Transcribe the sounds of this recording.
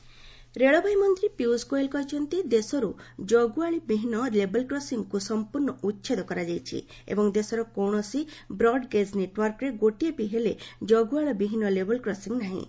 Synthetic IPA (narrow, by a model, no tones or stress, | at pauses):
ɾeɭɔbʱajmɔnt̪ɾipjuskojelkɔɦit͡ʃʰɔnt̪id̪esɔɾud͡ʒɔɡuaɭibiɦinɔlebɔlkɾɔsiŋkusɔmpuɾnɔutːt͡ʃʰed̪ɔkɔɾad͡ʒajt͡ʃʰḭ | ḛbɔŋd̪esɔɾɔkɔwɳ̃ɔsibɾɔɖɡed͡ʒneʈwɔɾkɾeɡoʈiepiɦeled͡ʒɔɡuaɭibiɦinɔlebɔlkɾɔsiŋnaɦḭ̃